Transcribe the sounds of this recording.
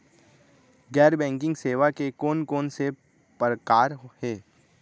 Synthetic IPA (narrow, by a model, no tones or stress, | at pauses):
ɡɛːɾbɛ̃ːŋk̬ɪ̃ŋɡseːʋakekoːnkoːnse | pəɾəkaːɾhɛː